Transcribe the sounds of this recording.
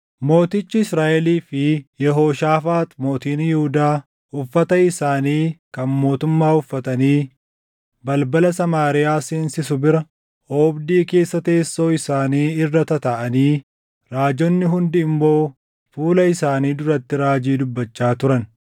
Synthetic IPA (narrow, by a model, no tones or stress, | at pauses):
mo̞ːt̪ɪt͡ʃːɪɪsɾaːʔɛliːfɪjɛɦo̞ːʃaːfaːt̪mo̞ːt̪iːnjɪhʊd̪aː | ʊfːɐt̪ɐɪsaːniːkɐnmo̞ːt̪ʊmːaːʊfːɐt̪ɐniː | bɐlbɐlɐsɐmaːɾɪjaːsiːnsɪsʊbɪɾɐ | ʔoːbd̪iːke̞ːsːɐt̪e̞ːsːo̞ːɪsaːniːɪrːɐt̪ɐt̪ɐʔɐniː | ɾaːd͡ʒɔnːɪɦʊnd̪ɪɪmːo̞ː | fuːlɐɪsaːniːd̪ʊɾɐt̪ːɪɾaːd͡ʒiːd̪ʊbːɐt͡ʃːaːt̪ʊɾɐn